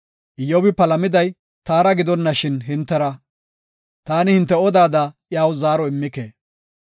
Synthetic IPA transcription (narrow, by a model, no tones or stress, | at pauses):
ʔɪjɔbɪpɐlɐmɪd̪ɐj | t̪aːɾɐɡɪd̪ɔnːɐʃɪnɦɪnt̪ːɛɾɐ | t̪aːnɪhɪnt̪ːɛɔd̪aːd̪ɐjaːwzaːɾɔɪmːɪkḛː